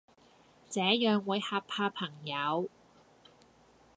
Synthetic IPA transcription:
t͡sɛː˨˥jœː˨ŋwuː˨˧jhaː˧pʰaː˧pʰɐ˨˩ŋjɐ˨˧w

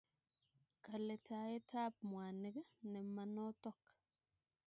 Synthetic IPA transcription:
ka˨le˨ta˨je˦tʰa˦p̚mwa˨nɪ˦ɡnɛ˨ma˨no˦tɔ˦k

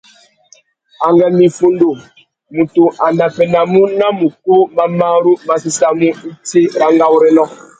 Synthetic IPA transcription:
a˨ŋɡɛ˨mi˨fu˨ndo˨ | mu˨tu˨ʔa˨na˨pɛ˨na˨mu˦na˦mu˨ko˦ma˦ma˦ɾu˦ma˦si˦sa˦mu˦i˦te˦ɾa˦ŋɡa˦wu˦ɾɛ˦lɔ˦

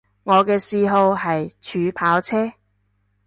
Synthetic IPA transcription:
ŋɔː˨˧kɛː˧siː˧ɦo˧wɦɐ˨jt͡ʃʰyː˨˧pʰaː˨˥wt͡sʰɛː˥

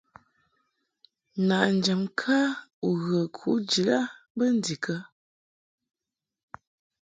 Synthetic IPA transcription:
na˨ʔn̩˨d͡ʒə˨mkʰa˦u˨ɣə˨kʰu˨˦ʔd͡ʒi˨la˦bə˦n˦di˨kʰə˦

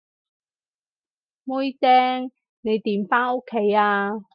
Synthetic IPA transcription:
mʊ˥jt̪ɛː˥ŋ | ne˨˧jt̪iː˨˩mfaː˥no˥kʰːe˨˥jaː˧

